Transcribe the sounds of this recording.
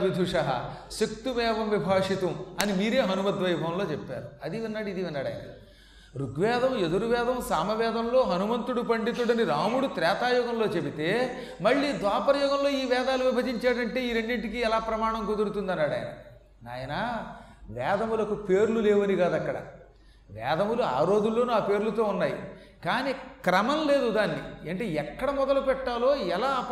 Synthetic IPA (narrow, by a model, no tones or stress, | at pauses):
ʋid̪ʱuʂɐɦɐ̰sekt̪umɛːʋɐmʋibʱaːʂit̪umɐnimiːɾe̞ːɦɐnumɐt̪ʋɐjbʱɐmlo̞ːt͡ʃepːa̰ːɾuɐd̪iʋinːaːɽid̪iʋinːaːɽa̰j̰nɐ̰ | ɾuɡʋɛːd̪ʱɐmed̪uɾuʋɛːd̪ɐmsaːmɐʋɛːd̪ʱɐmlo̞ːɦɐnumɐnt̪uɽupɐɳɖit̪̬uɽɐniɾaːmuɽut̪ɾɛːt̪aːjɔːɡɐmlo̞ːt͡ʃe̞bit̪e̞ː | mɐɭːiːd̪ʋaːpɐɾɐjɔːɡɐmlo̞ːiːʋɛːd̪aːluʋibʱɐd͡ʒiɲt͡ʃaːɽɐɳʈe̞ːiːɾeɳɖiɳʈikiɛlaːpɾɐmaːɳɐmkod̪uɾut̪und̪ɐnːaːɽɐ̰ːjɐ̰nɐ̰ | a̰ːjɐnɐaʋɛːd̪ɐmulɐkupeːɾululeːʋɐniɡaːd̪ɐkːɐɽɐ̰ | ʋɛ̰ːd̪ʱɐmulua̰ːɾo̞ːd͡ʒ̪ulːoːnaːpe̞ːɾulut̪o̞ːunːaːjḭ | kaːnikɾɐmɐmle̞ːd̪ud̪aːnːḭɐɳʈeɛkːɐɽɐmɔd̪ɐlupɛʈːaːlo̞ːɛlaː